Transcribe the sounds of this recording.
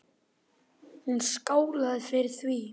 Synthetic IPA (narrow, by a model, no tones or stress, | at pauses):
hunskoːwlaðfɪɾɪɾ̥θvi